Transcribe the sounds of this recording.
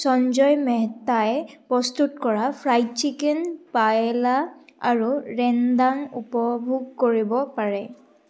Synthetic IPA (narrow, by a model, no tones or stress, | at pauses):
sɔnzɔjmɛɦtaɛpɹɔstutkɔɹapʰɹajtt͡ʃikɛnpajɛlaa̰ɹuɹɛndanupɔbʱuɡ̚koɹibɔpaɹɛ